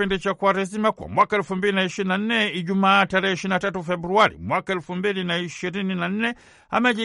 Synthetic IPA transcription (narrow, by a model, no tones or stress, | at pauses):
indit͡ʃakwaɾɛsimakwa̰mwakaɛlfumbilinaiʃininan̩nɛiʄumaːtaɾɛhɛiʃiɾinatatufɛbɾuaɾḭmwakaɛlfumbilinaiʃiɾininan̩nɛ | a̰mɛʄi